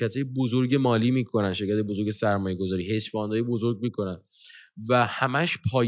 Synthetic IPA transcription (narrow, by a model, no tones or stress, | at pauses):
æt̪ʰɒːjebozoɾɟe̞mɒːliːmiːkʰo̞nænʃe̞ɾcʰæt̪ebozo̞ɾɡɟe̞sæɾmɒːjeɡo̞zɒːɾiːhe̞ʃfɒːnd̪ɒːjebo̞zo̞ɾɡ̚miːkʰo̞næn | væhæmæʃpʰɒːj